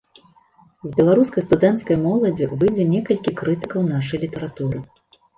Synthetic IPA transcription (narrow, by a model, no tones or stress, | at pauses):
zbʲɛlˠaɾuskɐjst̪ud̪ɛnt̪skɐjmɔlˠɐd͡zʲivɨjd͡zʲɛnʲɛkɐlʲkʲikɾɨt̪ɨkɐwn̪aʂɐjlʲit̪ɐɾat̪uɾɨ